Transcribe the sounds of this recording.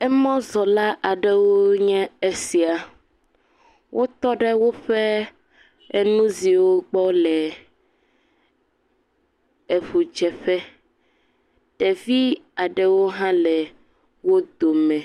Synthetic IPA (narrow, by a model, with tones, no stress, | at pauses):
ɛ˦mɔ̃˦zɔ˨la˦ʔa˨ɖɛ˦wo˦ɲɛ̃˦e˦si˨a˨ | wʔo˦t̪ɔ˦ɖe˦wo˦ɸɛ˦ | e˦nũ˦zi˨wo˦ɡ͡bɔ˦lɛ˨ | e˨ɸu˨d͡ʒɛ˨ɸɛ˦ | ɖ̥ɛ˨vi˦a˨ɖɛ˦wo˦ɦã˦lɛ˨ | wo˦d̪o˨mɛ̃˨